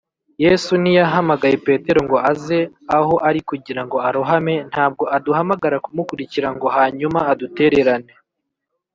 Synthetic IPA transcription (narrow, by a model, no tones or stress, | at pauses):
je̞ːsunijaɦamaɡaje̞pe̞ːte̞ɾo̞ŋɡo̞aze̞aho̞ʔaɾikuɟiɾaŋɡo̞aɾoɦame̞n̥haːb̚ɡo̞ʔaduhamaɡaɾakumukuɾiciɾaŋɡo̞haːɲumaːdute̞ɾe̞ɾane̞